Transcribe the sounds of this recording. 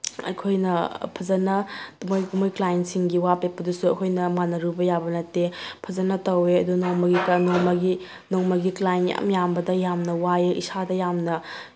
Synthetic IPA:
ɐ̰jkʰojnɐpʰɐzɐnɐmojmojklajnsiŋɡiwapepːɐdusuɐ̰kʰojnɐmanɐɾubɐjabɐnɐtːepʰɐzɐnɐtɐweɐdunoŋmɐɡiknoŋmɐɡi | noŋmɐɡiklajnja̰mjambɐdɐjamnɐwajeʔḭsadɐjamnɐ

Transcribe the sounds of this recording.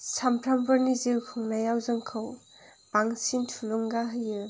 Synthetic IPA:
sampʰɾambɯɾniziwkʰɯŋnajawzɯŋkʰɯw | b̥aŋsintʰuluŋɡaɦɯjɯ

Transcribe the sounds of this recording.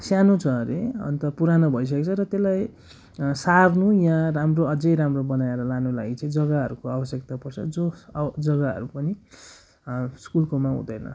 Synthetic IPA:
sjanot͡sʰʌɾḛʌ̰nt̪ʌpuɾanʌbʱʌjs̬ʌket͡sʰʌɾʌt̪elːaj | sarnujaãramroʌd͡zʌjɾamrobʌnaeɾʌlanulaɡit͡sʌ̃ĩd͡zʌɡaɦʌɾukoabʌsjekt̪apʌrt͡sʰʌ̰d͡zod͡zʌɡaɦʌ̰ɾupʌni | skulkomaɦṵ̃d̪ʌjnʌ̰

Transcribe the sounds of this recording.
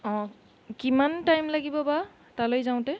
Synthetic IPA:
ɔ̃ | kimantajmlaɡibɔba | talojzaw̃tɛ

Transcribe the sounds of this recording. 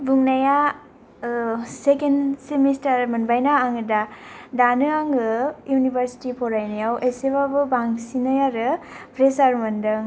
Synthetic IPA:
buŋnaja | sekensemistaɾmɐnbajnaːŋɯdadanɯaŋɡɯjunibɐɾsi̥tipʰɔɾajnajaweseβabɯbaŋsinajaɾɯ | pʰɾesaɾmɐndɯŋ

